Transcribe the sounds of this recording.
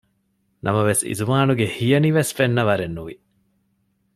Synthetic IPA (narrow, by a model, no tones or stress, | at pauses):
nʔɐ̰mɐʋesḭzumaːnuɡehijɐniʋesfenːɐʋɐɾenːuʋḭ